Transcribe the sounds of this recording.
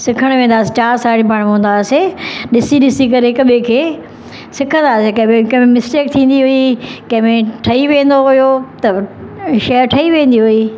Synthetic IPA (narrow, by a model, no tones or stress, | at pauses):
sɪkʰəɽ̃ʋẽːn̆d̪aːset͡ɕaːɾsaːɽipaɽ̃ɦõːnd̪aːseɗɪsiɗɪsikɐɾekɐɓʱẽkʰeː | sɪkʰə̃nd̪aːsekɐbẽkɐɦẽmɪsʈeːk̚t̪ʰĩːn̆d̪iɦʊikɐ̃ɦɪ̃mẽʈʰɐiʋẽːn̆d̪oɦʊjot̪ɐʃɐjəɾʈʰɐiʋẽːn̆d̪iɦʊiː